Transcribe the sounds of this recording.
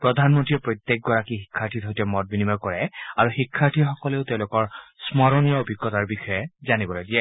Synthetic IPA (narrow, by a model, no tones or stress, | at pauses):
pɹɔdʱanmɔntɹiɛpɹojtːjek̚ɡɔɹakixikʰːaɹtʰitɦojtɛmɔt̚binimakɔɹɛaɹuxikʰːaɹtʰixɔkɔleʊteʊ̃lʊkɔɹsmɔɹɔnijɔobʱiɡːɔtaɹbixɔjɛzanibɔlojdiɛ